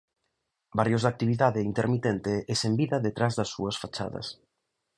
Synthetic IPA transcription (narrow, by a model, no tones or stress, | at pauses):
baɾjozðak̚t̪iβ̞iðaðeint̪eɾmit̪ent̪eesembiðɐðet̪ɾazðɐsːṵɐsfat͡ʃa̰ðɐ̰s